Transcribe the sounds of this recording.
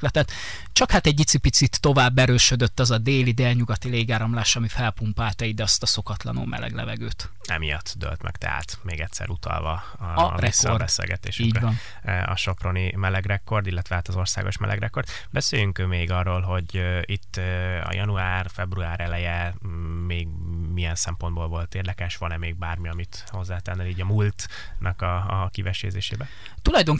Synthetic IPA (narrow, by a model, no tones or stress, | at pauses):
lɛt̪ɛt̪ | t͡ʃɒkhat̪ɛɟːit̪sipit̪sit̪ːo̞vaːbːɛɾøːʃød̪øt̪ːɒzɒd̪eːlid̪elɲuɡɒt̪ileːɡaːɾɒmlaːʃɒmifɛlpumpaːlt̪ɛid̪ɛɒst̪ɒso̞kɒt̪lɒ̰nṵːmʔɛ̰lɛ̰ɡlɛ̰vɛɡøːt̪ | ɛmijɒt̪ːd̪ø̰lt̪mɛ̰kt̪ɛ̰ɦa̰ːt̪meːɡɛc̪ʲsɛ̰ɾut̪ʰɒ̰lvɒ | rɛsrbɛsḛːlɡɛt̪ḛːʃyiːɟɒn | ɒ̰ʃo̞pronimɛlɛɡrɛkːo̞rd̪ilːɛt̪ʋɛaːt̪ɒzo̞rsa̰ːɡo̞ʃmɛ̰lʔɛ̰ɡrɛkːo̞rd̪ | bɛseːjyŋkmeːɡɒrːoːlɦo̞ɟit̪ːɒ̰jʔɒnuaːrfɛbruaːɾɛlɛjɛmeːɡmijɛnsɛmpo̞nd̪̚bolvo̞lt̪eːrd̪ɛkɛʃʋɒnɛmeːɡ̚baːrmiɒmit̪ | ho̞zːaːt̪ɛnːɛliːɟɒmult̪ | nʔɒkɒkivɛʃḛːzeːʃeːbɛ | t̪ulɒjd̪oŋ